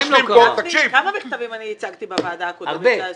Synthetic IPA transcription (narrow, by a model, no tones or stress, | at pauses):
mlimot̪akʃivkamamiχtavimanihit͡saɡt̪ibevaːd̪akodaʁbe